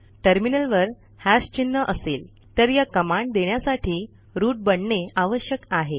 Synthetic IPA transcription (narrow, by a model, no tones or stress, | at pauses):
ʈəɾminəlʋəɾ | hast͡ɕinːəʔəseːl | t̪əɾjakəmaɳɖd̪eɳjasaʈʰiː | ɾuːʈ̚bəɳɳeaʋəɕjəkaɦe